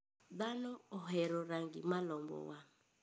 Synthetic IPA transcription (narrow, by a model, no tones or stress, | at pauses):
ðanɔɔɦɛɾɔɾaŋɡimalɔmbɔ̰wa